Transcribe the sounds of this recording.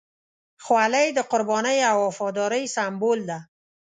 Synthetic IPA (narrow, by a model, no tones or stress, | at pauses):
xwalajd̪əqʊɾbɔnəjawɔfɔd̪ɔɾəjsambold̪a